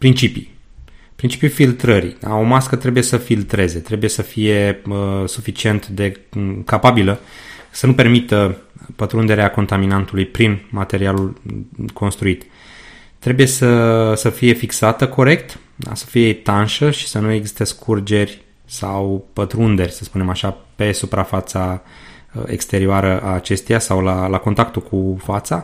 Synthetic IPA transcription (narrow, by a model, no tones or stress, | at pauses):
pɾint͡ʃipḭ | pɾint͡ʃi̥pjufilt̪ɾəɾḭd̪a̰o̞maskət̪ɾe̞buje̞səfilt̪ɾe̞ze̞t̪ɾe̞buje̞səfije̞əsufit͡ʃie̞nt̪d̪e̞kapabiləsənupe̞rmit̪əpət̪ɾund̪e̞ɾeako̞nt̪aminant̪ulujpɾinmat̪e̞ɾialulkʰo̞nst̪ɾuit̪ | t̪ːɾe̞buje̞səsəfije̞fiksat̪əkʰo̞ɾe̞kt̪ | d̪a̰sə̥fijet̪anʃəʃi̥sənue̞ɡzi̥st̪eskʰurd͡ʒe̞rʲ | sawpət̪ɾund̪e̞rʲsəspune̞maʃape̞supɾafat̪sa̰ | ḛkst̪e̞ɾioaɾəʔaːt͡ʃe̞st̪ejasawlalako̞nt̪akt̪ulkʰufat̪sa